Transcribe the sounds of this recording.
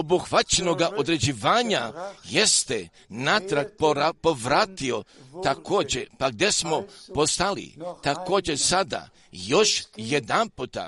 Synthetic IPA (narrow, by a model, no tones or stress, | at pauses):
obuxʋat͡ʃeno̞ɡaʔo̞d̪ɾe̞d͡ʑiʋaːɲajest̪e | nat̪ɾak̚papoʋɾaːt̪io̞t̪ako̞ːd͡ʑepaɡ̚d̪e̞smo̞po̞st̪alḭt̪ako̞ːd͡ʑesad̪a̰ | jo̞ʃjed̪anput̪a̰